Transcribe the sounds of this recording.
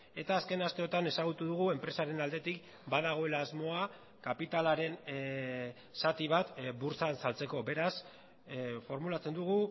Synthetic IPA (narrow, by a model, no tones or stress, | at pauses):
e̞t̪aːske̞nast̪e̞o̞t̪ane̞saɣ̞ut̪uðuɣ̞ue̞mpɾe̞saɾe̞nald̪e̞t̪ik | baðaɣ̞o̞e̞laːzmo̞a | kapit̪alaɾe̞n | sat̪iβ̞at̪buɾt͡sansalt͡se̞ko̞be̞ɾas | fo̞ɾmulat͡se̞nd̪uɣ̞u